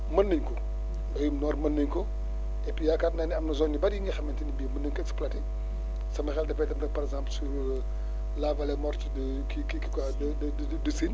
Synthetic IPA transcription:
mɐnːəɲkɔ | dɐjumnɔːɾmɐnːəɲkɔ | ɛpijakaːtnaniɐmnɐzɔnɲibɐdjiŋɡɐxɐmɛntinibimɐnːəɲkɔɛksplati | sɐmɐxɛldɛpɛtɐmtɐpɐɾɛɡzãːmpl̩su | lavɐlɛmɔrt͡ʃd | kikikikad | dd | dəsin

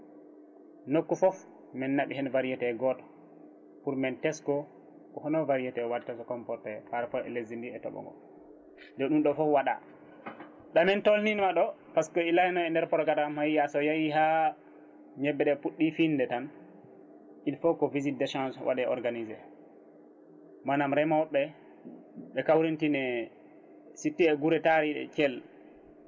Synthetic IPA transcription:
nokːufɔf | mɛnːaɓihɛnvaɾijɛtɛɡɔtɔ̥ | puɾmɛntɛskɔ | kɔhɔnɔvaɾijɛtɛwadtasɔkɔmpɔɾtɛpaɾpɔɛ̰lezindiɛtɔ̰ɓɔ̰ŋɡɔ̰ | dɛɗunɗɔfɔfwaɗa̰ | ɗamɛntolninmaɗɔpaskɔilajnɔɛndɛɾpɔɾɔkatamhajjasɔjajiɦa | ɲɛbːɛɗɛpuɗːifindɛtan | ʔinfɔkɔvizit̚dɛʃãnsɔwa̰ɗɛɔɾɡanizɛ̰ | manamɾɛmawɓːɛ | ɓɛkawɾintinɛ | sitːiɛɡuɾɛtaɾiɛ̰t͡ʃɛl

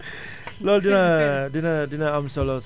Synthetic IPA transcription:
lɔldinadinadinaːmsɔlɔs

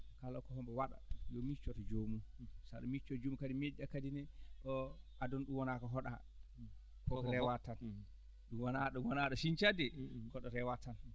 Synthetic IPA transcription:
kalɔkɔhɔmbɛwaɗa̰jɔmit͡ʃːɔtɔd͡ʒomusaɗɔmit͡ʃːɔd͡ʒomukadimɛd͡ʒakadinɛɔ | adɔnɗumwɔnakɔɦɔɗa̰ | kɔkɔɾɛwatan | ɗumwanaɗɔmwɔnaɗɔʃiɲt͡ʃadɛkɔɗɔɾɛwatan

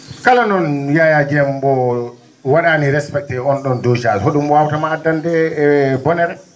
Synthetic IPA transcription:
kalanɔnjajad͡ʒɛmbɔ | waɗaniɾɛspɛk̚tɛɔnɗɔndod͡ʒalɦoɗumɔwawtamaːdandɛːbɔnɛɾɛ

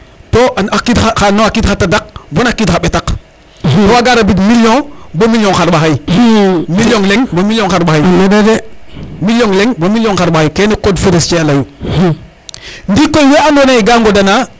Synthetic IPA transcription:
toakitaxanoakitxatːadak̚bonakitxaɓetak | toaɡaɾabit̬milõbomiljõŋxaɾɓaxaj | miljoŋleŋbomiljõŋxaɾɓahajdɡmiljoŋleŋbomiljoŋxaɾɓahajkenikodfiɾist͡ʃealaju | ndikojweandoneiɡaŋɡodana

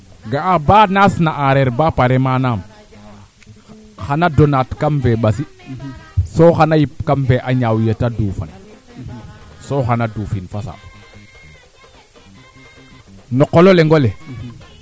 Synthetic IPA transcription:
ɡaabaːnasnaʔaɾeɾbapaɾemanam | xanadonatkamfeɓasi | soxanajip̚kamfeʔaɲawjətaduːfa̰n | soxanaduːfinfasa̰ | nɔkːololeŋɡole

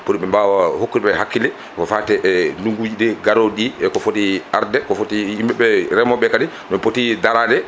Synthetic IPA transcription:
poɾiɓɛmbawahokːuɓɛhakːilɛ | kɔfatɛʔnuŋɡud͡ʒiɗɛɡaɾoɗiɛkɔfotiʔaɾdɛkɔfotiimbɛɓɛɾɛmɔɓɛkaɗɛ | nɔpotidaɾadɛ

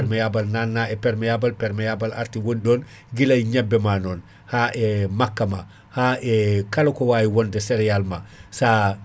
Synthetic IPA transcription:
ɾmɛjabalnanːaɛpɛɾmɛjabalpɛɾmɛjabalaɾtiwonɗɔːn | ɡilajɲabːɛmanɔːn | haʔɛmakːama | haɛkalokɔwaːjiwɔndɛsɛɾɛjalmasa

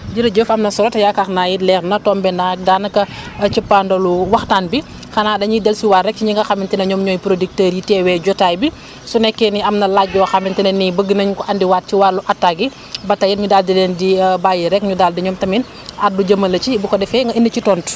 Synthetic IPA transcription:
d͡ʒiɾɐɟəfɐmnɐsɔlɔtɐjakaxnajilɛːknɐtɔːmbɛnak̚daːnɐkɐt͡ʃəpːaːndɐluwɐxtaːnbi | xɐnaːdɐɲidɛlsiwarːɛk̚t͡ʃiɲiŋɡɐxɐmintɛnɐɲɔmɲɔːjpɾodik̚təːɾjitɛːwɛɟɔtaːjbi | sunɛkːɛniɐmnɐlaɟ̚ɟɔːxɐmintɛnɐnibəɡːənɐɲkɔʔɐndiwat̚t͡ʃiwaːɾluʔɐtːaɡi | bɐtɐjitɲudaːldidɛːndibaːjiɾɛkɲudaːldiɲɔːmtɐmin | ʔat̚duɟɐmɐlɐt͡ʃibukɔdɛfɛŋɡɐindɐt͡ʃitɔnt

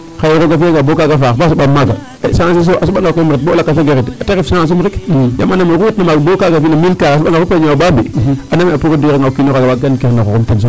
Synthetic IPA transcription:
xajɾoɡafaŋɡabokaɡafabas̬uɓamːaɡa̰ | saŋs̬is̬oʔasuɓaŋɡakamiɾibolakːas̬aɡeɾitateifsiaŋas̬umɾikja̰manamiɾutnamaɡbokaɡafinamilkaasuɓaɡafupaɲaababianamiapuɾidiɾeŋɡakinoɾaɡawaɡankeɾnaxo̰umtins̬o

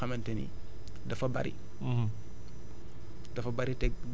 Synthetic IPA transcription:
ɐmɛntenḭ | dɐfɐbɐ̰ɾḭ | dɐfɐbaɾitɛɡ

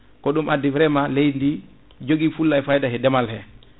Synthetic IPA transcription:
kɔɗumadivɾɛmalejndi | d͡ʒoɡifulːajfajdahɛdɛmalhɛ

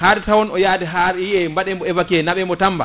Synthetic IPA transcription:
haɾtawɔnɔjaːdɛɦaɾiɛmbaɗɛmbɔɛvakiɛnaɓɛmɔtamba̰

